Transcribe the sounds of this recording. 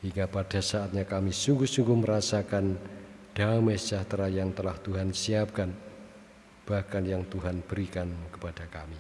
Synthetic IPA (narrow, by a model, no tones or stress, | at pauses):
hiŋɡapad̥asaat̪̚ɲakamisuŋɡuhsuŋɡuməɾasakand̥amed͡ʒaht̪ɾajaŋt̪əlaht̪uɦansiap̚kan | b̥ahkanjaŋt̪uɦanb̥əɾikankə̥pad̥akami